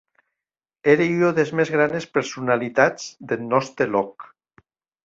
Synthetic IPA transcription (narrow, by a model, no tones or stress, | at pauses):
eɾeyoðezmezɣɾanespeɾsunalit̪ad͡zd̪elnɔst̪ɾelɔk